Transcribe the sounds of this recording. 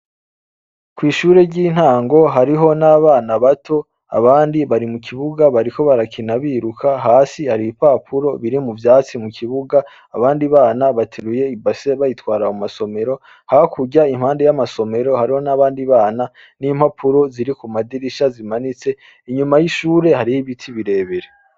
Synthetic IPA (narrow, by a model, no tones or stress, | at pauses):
kwiːʃuːɾe̞ɟiːn̥haːŋɡo̞ɦaɾiɦo̞naβaːnaβatʰo̞ | a̰βaːndiβaɾimukʰiβuɡaβaɾiko̞βaɾakʰinaβiːɾukʰaɦaːsihaɾipaːpʰuɾo̞βiɾimuvjaːt͡simukiβuɡaː | βaːndiβaːnaβatʰeɾuje̞ibase̞βajitwaːɾaumaso̞me̞ɾo | hakʰuɟaim̥haːndejamasome̞ɾo̞haɾiho̞naβaːndiβaːna | niːm̥hapʰuɾo̞ziɾikumadiɾiʃazimanit͡se̞ | iɲumajiʃuːɾe̞haɾihiβitʰiβiɾe̞ːβe̞ɾe